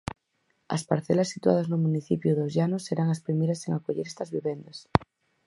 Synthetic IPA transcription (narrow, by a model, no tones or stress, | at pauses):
ɐ̰spaɾθɛlɐsːit̪wa̰ð̞ɐznʊmũniθipjʊðozʝanʊsːeɾaŋɐspɾimejɾɐseŋakoʎeɾest̪ɐzβiβend̪ɐs